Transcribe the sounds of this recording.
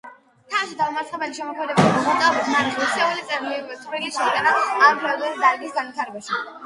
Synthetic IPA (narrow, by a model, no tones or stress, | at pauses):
t̪ʰaʃid̪avmat̪sχɛbɛliʃɛmɔkʰmɛd̪ɛbaimɔmɔt̪ʼaɔbit̪ʰnaɾʃɛsʰɛulit̪sʼɛɾliɾist̪ʼvɾilit͡ʃʰɛit̪ʼanaːɾpʰlɛdɛlsd̪aiɡisɡanvit̪ʰaɾɛbaʃi